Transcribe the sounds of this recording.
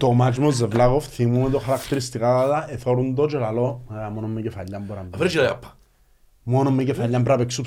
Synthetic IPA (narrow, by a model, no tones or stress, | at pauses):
t̪omad͡ʒmozːevlaɣofθimumet̪oxaɾakt̪eɾist̪ikaat̪aeθoɾund̪ot͡ʃolalomeɣamonomːecefaʎːambuɾamfɾit͡ʃilajapʰːḁ | monomːecefaʎːambɾapeksup